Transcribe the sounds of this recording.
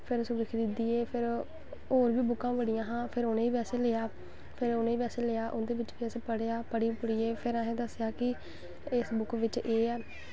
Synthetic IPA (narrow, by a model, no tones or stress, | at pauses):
pʰɪɾsʊʋɪkʰd̪ɪd̪iːeːpʰɪɾ | oːɾʋiːbʊkːãːbəɽijãːɦãːpʰɪɾoːnẽːiːbɛːseːleːaː | pʰɪɾoːnẽːiːbɛːseːleːaːʔʊnd̪eːʋɪt͡ʃʋiːsẽːpəɽejaːpəɽiːpəɽiːeːpʰɪɾəɦẽːd̪əsːɪjaːkɪ | ɪsbʊkʋɪt͡ʃeːɛː